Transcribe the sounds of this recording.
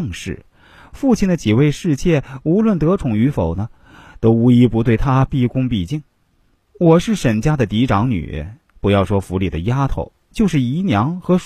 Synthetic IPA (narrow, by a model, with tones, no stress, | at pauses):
ŋʂɻ̩˥˩ | fu˥˧t͡ɕʰi˥˩nd̪ə˩t͡ɕi˨˩we˥˧ɪʂɻ̩˥˧t͡ɕjɛ˥˩u˧˥lwə˥˩nt̪ɤ˧˥ʈ͡ʂʰʊ˨˩ŋy˧˥fo˨˩ʊnə˦ | t̪o˥ʊu˥i˥pu˧˥t̪we˥˩ɪt̪ʰa˥pi˥˩kʊ˥ŋpi˥˩t͡ɕi˥˩ŋ | wɔ˨˩ʂɻ̩˥˩ʂə˨˩nt͡ɕja˥d̪ə˨t̪i˧˥ʈ͡ʂɑ˧˥ŋny̰˨˩ | pu˧˥jɑ˥˩ʊʂwɔ˥fu˧˥li˨˩d̪ə˦ja˥t̪ʰo̰˧˥ʊ | t͡ɕjo˥˧ʂɻ̩˥˩i˧˥njɑ˧˥ŋxɤ˧˥ʂ